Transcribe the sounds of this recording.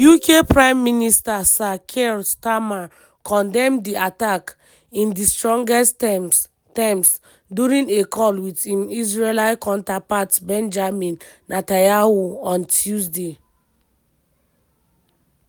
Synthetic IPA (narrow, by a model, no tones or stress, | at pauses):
jukepɹãɪ̃mːinistasakʰelstama | kʰɔ̃ndɛ̃mdiatak | ĩndistɹɔ̃ŋɡɛst | tɛ̃ms | duɹĩnekʰɔlwitĩmizɹelaɪkãntapatbɛ̃nd͡ʒamĩnːatajahoɔ̃ntʰjusde